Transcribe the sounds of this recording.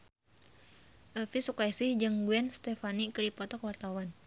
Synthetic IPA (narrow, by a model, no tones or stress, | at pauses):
ʔəfisukajsɪhd͡ʒɨŋɡuɛnst̪ɛfanikədipɔt̪ɔkwart̪awan